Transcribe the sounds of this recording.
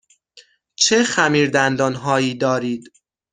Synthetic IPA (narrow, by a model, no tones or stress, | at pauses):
t͡ʃʰexæmiːɾd̪ænd̪ɒːnɦɒːiːd̪ɒːɾiːd̪